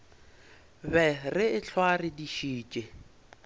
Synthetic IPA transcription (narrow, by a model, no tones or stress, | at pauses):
bɛrɪɪɬʰwarɪdiʃiːt͡ʃʼɪ